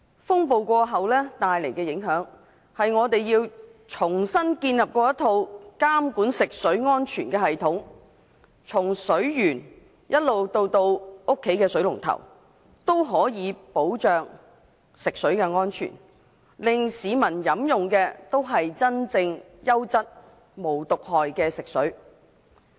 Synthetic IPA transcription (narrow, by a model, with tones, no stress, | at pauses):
fʊ˥ŋpo˨˧wkʷɔː˧ɦɐ˨wlɛː˥t̪aː˨jle˨˩jkɛː˧jɪ˨˥ŋɦœː˨˥ŋ | hɐ˨jŋɔː˨˧t̪e˨jjiː˧wt͡sʰʊ˨˩ŋsɐ˥nkiː˧njɐ˨p̚kɔː˧jɐ˥t̪ʰo˧wkaː˥mkuː˨˥nsɪ˨k̚sɵ˨˥ɥŋɔː˥nt͡ʃʰyː˨˩nkɛː˧ɦɐ˨jt̪ʰʊ˨˥ŋ | t͡sʰʊ˨˩ŋsɵ˨˥ɥjyː˨˩n | jɐ˥t̚lo˨wt̪o˧wt̪o˧wʊ˥kʰːe˨˥jkɛː˧sɵ˨˥ɥlʊ˨˩ŋt̪ʰɐ̰˨˩w | t̪o˥wɦɔː˨˥jiː˨˧˥po˨˥wt͡ʃœː˨ŋ | sɪ˨k̚sɵ˨˥ɥkɛː˧ŋɔː˥nt͡ʃʰy̰ː˨˩n | lɪ˨ŋsiː˨˧mɐ˨˩njɐ˨˥mjʊ˨ŋkɛː˧t̪o˥wɦɐ˨jt͡sɐ˥nt͡sɪ˧ŋ | jɐ˥wt͡sɐ˥t̚ | mo˨˩wt̪ʊ˨k̚hɔː˨jkɛː˧sɪ˨k̚sɵ˨˥ɥ